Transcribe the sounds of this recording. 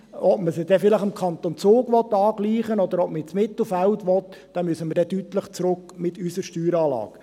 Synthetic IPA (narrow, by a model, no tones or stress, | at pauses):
ɔpməsɪd̥̪ɛfɪləχɪmkʰɑnt̪ont͡soːɡʋɔt̪ːɑːɡ̥liːχənɔd̪əɾɔp̚məɛt͡smɪt̪l̩ˠfæltʋɔt | d̥ɑmyəsəməɾdɛdyt̪ləχt͡sɾʊkmɪt̪ysəɾʃtyːɾɑːlɑ̰ːk